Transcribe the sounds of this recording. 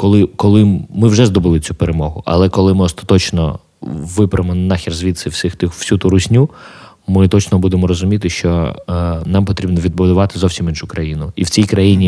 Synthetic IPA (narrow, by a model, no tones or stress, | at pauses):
kɔlˠɪkɔlˠɪmɪwʒɛzd̪ɔbɪlˠɪt͡sʲupeɾemɔɦʊʔɐ̰lˠɛkɔlˠɪmɪɔst̪ɐ̥t̪ɔt͡ʃnɔ̰ | ʋɪpɾɐemɔnɑxʲirzʋʲit̪sɪwsʲɪxt̪ɪxwsʲut̪uɾʊsʲnʲu | mɪt̪ɔt͡ʃnɔbud̪emɔɾɔzʊmʲit̪ɪʃt͡ʃɔ | nɑmpɔt̪ɾʲibnɔʋʲid̪̚bʊd̪ʊʋɑt̪ɪzɔwsʲiminʃukɾɐjinʊiwt͡sʲijkɾɐjinʲi